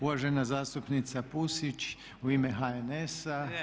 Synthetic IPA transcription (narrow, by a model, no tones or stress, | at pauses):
uʋaʒenazaːst̪upnit̪sapusit͡ʃ | uiːmeɦaenesa